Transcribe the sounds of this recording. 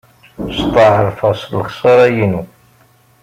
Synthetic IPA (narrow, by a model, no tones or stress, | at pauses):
st̪ˤːɑʕəɾfɑsˤlːχsˤɑɾˤæjinu